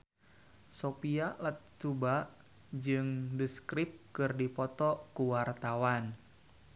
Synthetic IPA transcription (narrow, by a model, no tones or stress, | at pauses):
sopialət̪̚t͡ʃubaʔ | d͡ʒɨŋdəskɾip̚kɨrdipɔt̪ɔkuwart̪awan